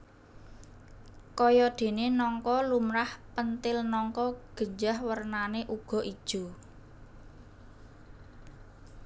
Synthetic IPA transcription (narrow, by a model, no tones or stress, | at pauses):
kɔjɔd̪̥e̤nenɔŋkɔlumɾahpənt̪ɪlnɔŋkɔɡ̥ə̤ɲd͡ʒahwərnaneʔuɡ̥ɔ̤ʔid̥ʒ̥ṳ